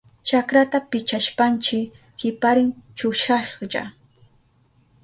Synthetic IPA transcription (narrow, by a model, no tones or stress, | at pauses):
t͡ʃakɾat̪apɪt͡ʃaʃpant͡ʃɪ | hɪpaɾɪŋt͡ʃʊʃaʃja̰